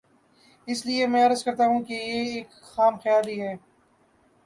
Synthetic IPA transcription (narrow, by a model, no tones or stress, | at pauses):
ɪsliemɛ̃ːɐɾəzkɐɾt̪aɦũkejeeːk | xaːmxjaːliɦɛː